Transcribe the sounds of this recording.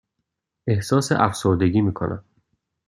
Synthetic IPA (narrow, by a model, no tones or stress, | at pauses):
e̞hsɒːsḛʔæfsoɾd̪e̞ɡʲiːmiːkʰo̰næ̰m